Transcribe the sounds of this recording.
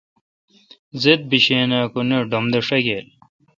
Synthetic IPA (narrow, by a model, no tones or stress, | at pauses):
zet̪̚biɕeːnaːkuneɖomd̪ɐʂɐɡel